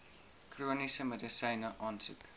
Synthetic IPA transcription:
kruːnisəmɛdəsɐːnəʔɑːnsʉ̰k

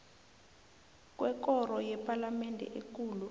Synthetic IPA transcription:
k̬ʼwɛk̬ɔrɔjɛpʰʼalamɛndʱɛ̰ʔek̬ʼuːlu

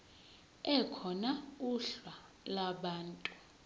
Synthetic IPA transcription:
ɛkʰɔnauɬwa | laɓaːntʼu̥

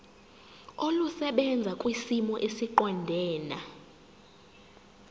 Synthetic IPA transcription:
olusɛɓɛnd͡zʱakʼwisimɔʔesiǃɔndʱɛːna

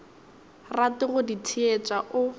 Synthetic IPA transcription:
ratɪɣʊditʰiet͡sʼaʔʊ

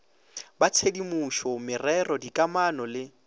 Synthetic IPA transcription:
bat͡sʰedimuʃɔmɪrɛrɔdikʼamanɔlɪ

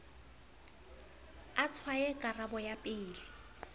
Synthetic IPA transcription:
at͡sʰwajɛkʼarabɔjapʼɪːlɪ

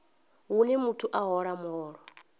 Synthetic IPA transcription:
ɦunɛmutʰuʔaɦɔɺamɔːɺɔ

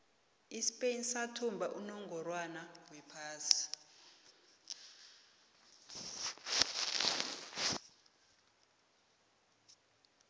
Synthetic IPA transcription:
isi̥pʼenisatʰumbʱaʔunɔŋɡʱɔrwanawɛpʰaːsi̥

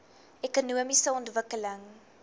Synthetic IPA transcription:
ɛkunuəmisəɔntvəkələŋ

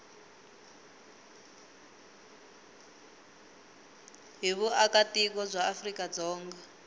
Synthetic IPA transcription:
ɦiβuakatik̬ɔb͡ʐʷaːfrikad͡zɔːŋɡa

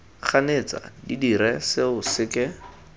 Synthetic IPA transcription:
k͡xʰanet͡sa̰didiɾɛsɪʊsɪkɪ

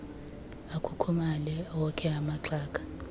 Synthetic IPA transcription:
akʰukʰumalɛwɔkʰɛamaǁʰaːkʰʼḁ

